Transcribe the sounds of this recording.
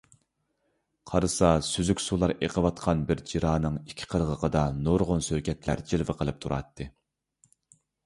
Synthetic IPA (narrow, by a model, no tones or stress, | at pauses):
qʰɑɾsɑsyzykʲsulˠɑɾʔeqʰəwɑt̪qʰɑnbɪɾd͡ʒiɾɑːnɨŋikʲʰːɪ̥qʰəɾʁəqʰəd̪ɑnoɾʁʊnsøɾkʲʰɛt̪læ̰ɾd͡ʒilvɪqʰəlˠɨp̚t̪ʰuɾɑ̰t̪ːɨ